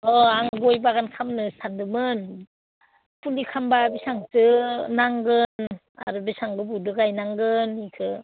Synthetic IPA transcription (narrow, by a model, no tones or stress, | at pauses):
ɔaŋɡojbaɡankʰamnɯsandɯmɯn | pulikʰambabisaŋtɯnaŋɡɯn | a̰ɾɯbesaŋɡɯbudɯɡajnaŋɡɯnikʰɯ